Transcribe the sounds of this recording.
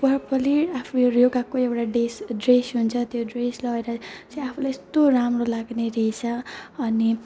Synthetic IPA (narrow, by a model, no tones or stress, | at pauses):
pʌrpʌliapʰujoɾjoɡakoewʈaɖesɖresɦunt͡sʰʌt̪joɖreslʌeɾʌt͡siapʰulajest̪oɾamrolaɡneɾʌɦit͡sʰʌʌni